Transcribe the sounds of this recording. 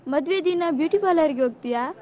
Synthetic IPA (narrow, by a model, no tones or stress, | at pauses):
mɐd̪ʋed̪inɐbjuːʈipalɐɾɡoːɡ̚t̪ija